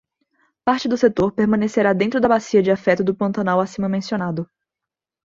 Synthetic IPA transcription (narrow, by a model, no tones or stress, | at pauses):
paɾt͡ʃɪd̪ʊset̪oɾpeɾmɐ̃neseɾad̪ẽnt̪ɾʊd̪ɐbasiɐd͡ʒɪafɛt̪ʊd̪ʊpɐ̃nt̪ɐnawasĩmɐmẽsionad̪ʊ